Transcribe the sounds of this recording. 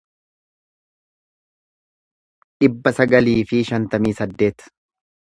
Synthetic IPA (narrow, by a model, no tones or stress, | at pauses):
ᶑɪbːɐsɐɡɐliːfɪʃɐnt̪ɐmiːsɐd̪ːe̞ːt̪